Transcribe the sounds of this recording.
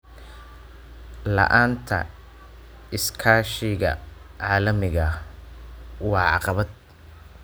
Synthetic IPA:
lɐ̰ʔaːnt̪ʰɐ̰ | ɪskʰaːʃɪɣɐ̰ʕɑːlɐmɪɣɐ | wɑːʕɑ̰qɑβɐd̪̚

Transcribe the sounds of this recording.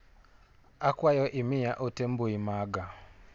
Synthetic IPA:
akwajɔʔimijaʔotɛm̩buimaɡa

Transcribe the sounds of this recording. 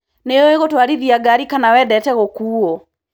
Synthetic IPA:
neoeɣotwaɾiðiaɡaɾikanawɛdɛtɛɣokuːo

